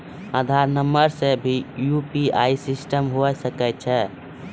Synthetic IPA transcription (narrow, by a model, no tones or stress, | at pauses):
ad̪ʱaɾnəmbəɾsẽbʱijupiaisisʈəmɦoɛsəkɛt̪̚t͡ʃʰɛ